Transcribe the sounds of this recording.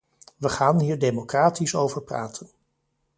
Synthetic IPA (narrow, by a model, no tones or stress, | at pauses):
ʋəχaːnɦiːɹdejmokraːtisowvəɹpra̰ːtʰən